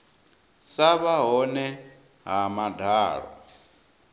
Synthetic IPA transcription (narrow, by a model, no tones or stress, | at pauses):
saβaɦɔnɛ | ɦamadʱaːɺɔ̰